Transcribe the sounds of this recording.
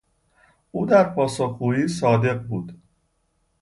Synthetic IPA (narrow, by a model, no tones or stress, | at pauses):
ʔuːd̪æɾpʰɒːsoxɡuːiːsɒːd̪e̞ɢbuːd̪̥